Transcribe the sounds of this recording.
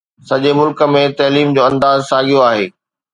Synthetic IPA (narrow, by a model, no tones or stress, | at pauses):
sɐʄemʊlkə̆mẽt̪ɐːliːmd͡ʑoːɐ̃nd̪aːzsaːɠijoaːɦeː